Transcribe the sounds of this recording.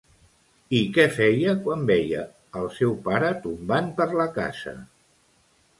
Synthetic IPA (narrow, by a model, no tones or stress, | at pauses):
ikɛfɛjəkwambɛjə̰ː | lˠsɛwpaɾət̪umbanpəɾləka̰zə̰